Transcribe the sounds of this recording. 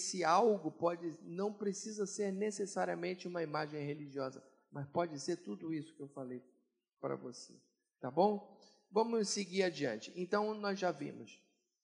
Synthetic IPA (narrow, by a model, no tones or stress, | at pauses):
sɪawɡʊpɔd͡ʒɪnɐ̃w̃pɾesizɐseɾnesesaɾiɐmẽnt͡ʃɪũmɐimaʒẽj̃ɦeliʒiɔzɐ̰ | mɐspɔd͡ʒɪseɾt̪ud̪ʊisʊ̥kɪewfalej | pɾɐ̰vosḛ | t̪abõw̃ | vɐ̃mʊseɡiɾad͡ʒiɐ̰̃nt͡ʃɪẽnt̪ɐ̃w̃nɔzʒavḭ̃mʊs